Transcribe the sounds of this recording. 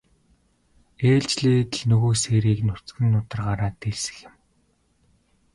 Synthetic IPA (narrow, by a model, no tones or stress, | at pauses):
eːɮt͡ɕɮeːt̪ɘ̆ɮnɵɣoːseːɾiːknʊ̥t͡sɡɘ̆nːʊt̪ə̆rɢaːɾaːt̪eɮsɘ̥̆xɪ̆m